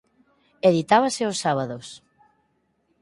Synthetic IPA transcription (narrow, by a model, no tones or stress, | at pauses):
eðit̪aβ̞asɪosːaβ̞aðos